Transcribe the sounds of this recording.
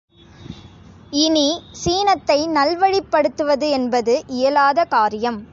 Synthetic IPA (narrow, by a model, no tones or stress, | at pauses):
ɪnisiːnɐt̪ːɐɪnɐlʋɐɻɪpːɐɽɯt̪ːɯʋɐðɯɛnbɐðɯʔɪjɐlaːðɐkaːɾɪjɐm